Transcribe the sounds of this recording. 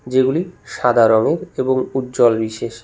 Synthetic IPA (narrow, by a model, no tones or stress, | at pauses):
d͡ʑeɡuliʃad̪ʱaɾoŋeɾeboŋut̪̚d͡ʑɔlbiʃeʃ